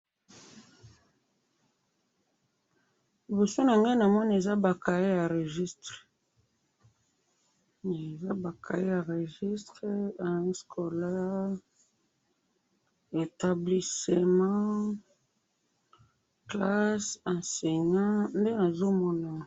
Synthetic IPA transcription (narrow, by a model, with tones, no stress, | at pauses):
li˨bo˨so˦na˨ŋɡe˦na˨mɔ˦na˦e˨za˦ba˨ka˨i˦ja˨ʁe˨ʒi˦stʁe˨ | e˨za˦ba˨ka̰˨ji˦ja˨ʁe˨ʒi˦stʁe˦a˨˦skʰɔ˨lɛ˦ | e˨ta˨bli˨se˨mã˦ | kla˦sã˨sɛ˨ɲã˦nde˦na˨zo˦mɔ˦na˨